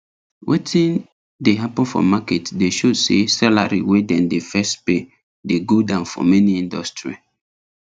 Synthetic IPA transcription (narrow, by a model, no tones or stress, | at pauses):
wʔetʰĩn | deɦapɔ̃nfɔ̰maketdeʃosesala̰ɹḭwedɛ̃ndefɛstpe | deɡodãʊ̃nfɔ̰mɛniĩndɔstɹḭ